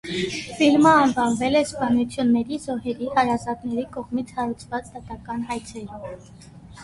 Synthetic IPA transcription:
filməɑnvɑnvɛlɛspɑnut͡sʰjunːɛɾizɔɦɛɾihɑɾɑzɑt̪nɛɾikɔʁmit͡sʰhɑɾut͡sʰvɑt͡sd̪ɑt̪ɑkɑnɦɑjt͡sʰɛɾi

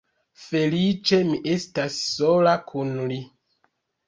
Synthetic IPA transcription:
felit͡ʃemiʔestasːolakʰunli

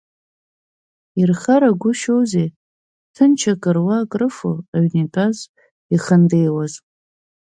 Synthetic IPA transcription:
irχaɾaɡʷʊʃowze | tʰɨnt͡ʃʰakʼɨrwakʼrɨfo̰aɥnipʼaz | iχəndejwazʼ

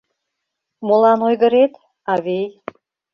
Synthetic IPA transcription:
molˠɑnojɣə̆ɾet̪ | ɑβej

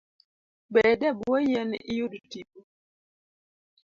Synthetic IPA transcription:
bɛdɛbuɔjɛnijodutipo

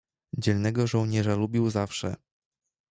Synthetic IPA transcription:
d͡ʑɛlnɛɡɔʐɔwɲɛʐalubʲiwzafʂɛ

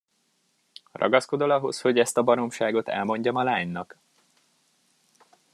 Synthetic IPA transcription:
rɒ̰ɡɒsko̞d̪o̞lɒɦo̞sho̞ɟɛst̪ɒbɒno̞mʃaːɡo̞t̪ɛ̰lmo̞ɲɟɒmɒlaːɲnɒk

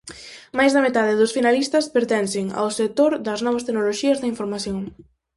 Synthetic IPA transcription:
majzðɐmet̪að̞eðosfinalist̪ɐspeɾt̪ɛnsɪŋa̰wsek̚t̪oɾðɐznɔβ̞ɐst̪eɡnoloʃiɐzðɐiɱfoɾmaθjoŋ

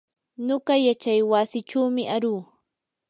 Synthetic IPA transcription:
ɲoɢɑjat͡ʃajwasɪʈ͡ʂawmɪʔaɾuː

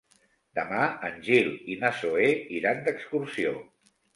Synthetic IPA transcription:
d̪əmaənʲʒilinasoeiɾand̪əkskuɾsio

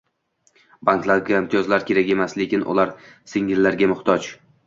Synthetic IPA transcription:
baŋklaɾɡʲaɪmt̪ʰijɒzlaɾkʲʰe̞ɾakʲe̞masle̞kʲɪnʔʊ̰lˠaɾsɪŋːɪlːaɾɡʲamʊχt̪ʰɒt͡ʃ

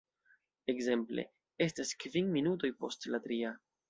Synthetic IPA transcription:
e̞kze̞mple̞̰ | e̞staskviŋminuto̞jpo̞stlatɾia

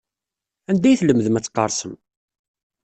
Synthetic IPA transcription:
ænd̪æjθləmðəmæt͡sːqːɑ̰ɾˤsəm

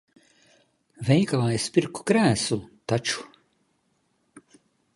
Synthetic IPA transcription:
vʲɛjkalˠajspʲiɾku̥kɾæːsut̪at͡ʃu̥

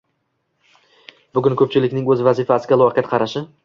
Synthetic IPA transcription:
bʊɡʲʊnkʰɵp̚t͡ʃʰɪlɪkʲnɪŋɵzvazɪfasɪɡʲalˠɒqʰɨjat̪qʰɑɾaʃɪ

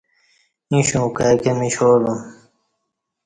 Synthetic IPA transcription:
ĩɕũːkakemĩɕoːlũ

